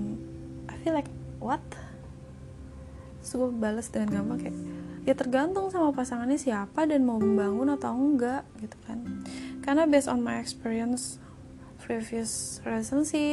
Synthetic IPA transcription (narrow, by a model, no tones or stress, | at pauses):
ʔajfilajk̚wat̪̚ | sukabaləsdəŋanɡambaŋkajʔjat̪ərɡant̪ʊŋsamapasaŋanɲasiapadanmauməbaŋʊnat̪awŋɡaʔɡit̪u̥kankarnabesɔnmajɛkspiɾiəns | fɾiviusrɛlisənsi